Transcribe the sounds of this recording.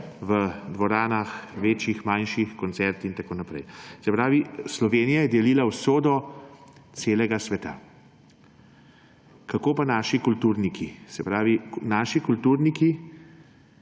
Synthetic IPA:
ʋəd̪ʋɔɾaːnaxʋeːt͡ʃixmanʃixkɔnt̪sɛɾt̪int̪akoːnapɾɛ̰jsɛpɾaːʋislɔʋeːnijajɛd̪ɛliːlawsoːd̪ɔ | t̪seːlɛɡasʋɛt̪a̰ | kakoːpanaːʃikult̪uːɾnikʰisɛpɾaːʋinaːʃikult̪uːɾniki

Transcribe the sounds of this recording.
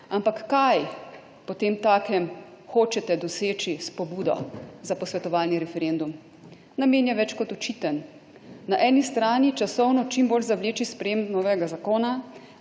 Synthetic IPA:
ampakːaj | pɔt̪eːmt̪aːkɛmxoːt͡ʃɛt̪ɛd̪ɔseːt͡ʃispɔbuːd̪ɔ̰zapɔsʋɛt̪ɔʋaːlniɾɛfɛɾend̪um | nameːnjaʋɛt͡ʃkɔt̪ɔt͡ʃiːt̪ənː | aʔɛːnist̪ɾaːnit͡ʃasɔwnɔt͡ʃimboːlzableːt͡ʃispɾɛjeːmnɔːʋɛɡazakoːna

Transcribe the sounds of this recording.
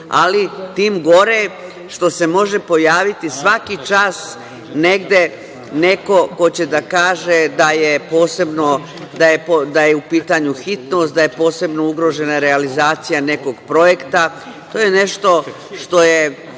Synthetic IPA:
a̰lit̪iːmɡo̞ɾe | ʃt̪o̞se̞mo̞ʒe̞po̞jaːʋit̪isʋakit͡ʃaːs | ne̞ɡd̪e̞ | ne̞ko̞ko̞t͡ɕe̞d̪akaːʒed̪ajepoːse̞bno | d̪ajepod̪ajeupiːt̪aɲuxit̪nost̪̚d̪aje̞po̞ːse̞bno̞uɡɾo̞ʒe̞naɾe̞alizaːt̪sijane̞ko̞ɡpɾo̞je̞kt̪a | t̪o̞ːjene̞ʃt̪o̞ | ʃt̪o̞je

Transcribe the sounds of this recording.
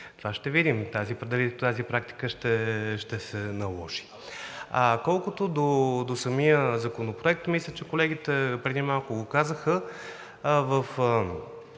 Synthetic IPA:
t̪ovaʃt̪ɛvid̪imt̪azipɾɛd̪ɛliɛt̪azipɾakt̪i̥kəʃt̪ɛʃt̪ɛsɛnɐlˠɔʃi̥ | akɔlˠkʊt̪od̪od̪osɐmijəzɐkonopɾoɛk̚t̪mislʲət͡ʃɛkolɛɡ̟it̪ɛpɾɛd̪imalˠkʊɡokazəxə | vəf

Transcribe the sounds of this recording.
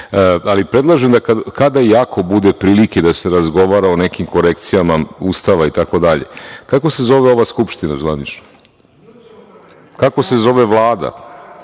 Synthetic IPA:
alipɾe̞d̪lˠaʒemd̪akakad̪ajakʰo̞bud̪epɾiːlike̞d̪ase̞ɾazɡo̞ʋaɾaone̞kimko̞ɾe̞kt̪sijamauːst̪aʋait̪ako̞d̪aʎe̞̰kako̞se̞zo̞ʋeo̞ʋaskupʃt̪inazʋanit͡ʃno | kako̞se̞zo̞ʋe̞ʋlˠaːd̪a̰

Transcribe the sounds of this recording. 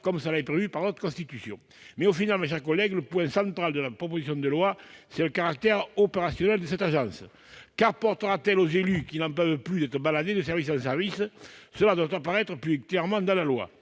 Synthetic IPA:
kɔmsəlaɛpʁevypaʁnɔt̪χəkɔ̃st̪it̪ysjɔ̰̃ | mɛofinalmaʃ̬ɛʁkɔlɛɡləpwɛ̃sɑ̃nt̪χald̪əlapχɔpozisjɔ̃d̪əlwasɛləkaʁak̚t̪ɛʁɔpeʁasjɔnɛld̪əsɛt̪aʒɑ̃sə | kaʁpɔʁt̪əʁat̪ɛlozelykilnɑ̃pœvplyd̪ɛt̪ʁəbalad̪ed̪əs̬ɛʁvisɑ̃s̬ɛʁvissəlad̪wat̪apaʁɛt̪χəplyklɛʁmɑ̃d̪ɑ̃lalwa̰

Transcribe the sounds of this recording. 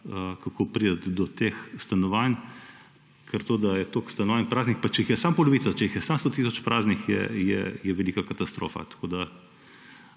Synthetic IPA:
əkɐkopɾiːd̪ət̪d̪ɔt̪exst̪ɐnɔʋan | kʰəɾt̪oːd̪ajɛt̪okst̪ɐnɔʋanpɾaːznixpat͡ʃɛixjɛsampɔloʋit̪ɐt͡ʃɛixjɛsamst̪oːt̪is̬ɔt͡ʃpɾʔaznixjɛ̰jɛ̰jɛʋɛliːkakɐt̪ɐst̪ɾo̰ːfa̰t̪ɐ̥kʰoːd̪a

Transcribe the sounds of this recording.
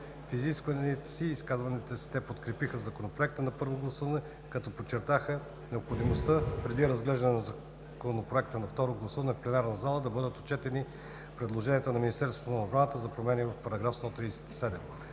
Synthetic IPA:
fiziskvɐnit̪ɛ̥siːskazvɐnit̪ɛsi̥t̪ɛpot̪kɾɛpixəzɐkonopɾoɛk̚t̪ənɐpɤɾvoɡlˠɐsuvɐnɛ | kɐt̪ɔpot͡ʃːɛɾt̪axə | nɛopxod̪imost̪əpɾɛd̪iɾɐzɡlɛʒd̪ənɛnɐzɐ | konopɾoɛk̚t̪ənɐft̪ɔɾoɡlˠɐsuvɐnɛfplɛnaɾnɐzalˠəd̪ɐbɤd̪ət̪o̥t͡ʃɛt̪ɛni | pɾɛd̪lˠoʒɛniət̪ənɐminist̪ɛɾst̪vot̪nɐobɾanət̪əzɐpɾomɛnivɐfpɐɾɐɡɾafst̪ɔt̪ɾisɛ̥t̪i̥sɛd̪ɛm

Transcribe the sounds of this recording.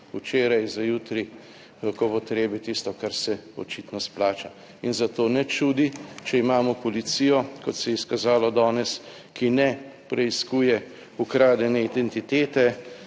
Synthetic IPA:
ut͡ʃeːɾajzajut̪ɾi | kopɔt̪ɾeːbit̪ist̪ɔkaɾsɛɔ̰t͡ʃit̪nɔsplaːt͡ʃa | inzat̪oːnɛt͡ʃud̪it͡ʃɛimaːmɔpɔlit̪sijɔkɔt̪sɛjɛiskazaːlɔd̪ɔːnɛs | kinɛpɾɛiskuːjɛ | ukɾaːd̪jɛnɛid̪ɛnt̪it̪eːt̪ɛ

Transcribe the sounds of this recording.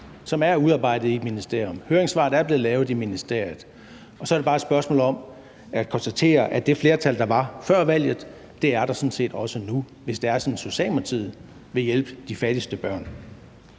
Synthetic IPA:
sɒ̽mæɐuðˠɑ̈ːb̥ɑ̈ɪ̰d̥ð̩ˠiminisd̥e̝ɐ̰jɔ̽mhøːɐeŋsʋɑ̰̈ːd̩ˠæɐb̥le̝ːð̩ˠlɛːʊð̞̩ˠiminisd̥e̝ɐ̰jð̩ˠ | ɒ̽sɒ̽ɐɾ̥ebɑːe̝d̥sb̥ɶɐsmɔ̰ːlɒ̽m | æ̥kʰɒ̽nsd̥æt͡sʰe̝̰ːɐʔæd̥e̝fle̝ːɐt͡sʰæl̰d̥ɑ̈ʋɑ̈fɶɐ̰ʋæl̰jð̞̩ˠ | d̥e̝æɐɾ̥ɑ̈sɔ̽nse̝̰ːd̥ɒ̽sənu | ʋe̝sd̥e̝æɐsɒ̽nnso̝ɕɛ̰ːlmɐt͡sʰið̰ˠ | ʋe̝jelb̥əd̥ifæd̥isd̥əb̥ɶɐ̰n

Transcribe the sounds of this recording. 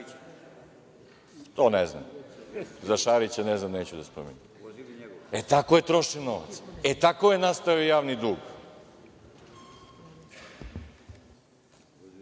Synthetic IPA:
t̪oːnezna̰m | zaʃaːɾit͡ɕaneznamneːt͡ɕud̪aspɾomḛɲum | et̪akojet̪ɾo̞ʃinoʋa̰t̪set̪akojenast̪aʋiojaːʋnid̪uːɡ

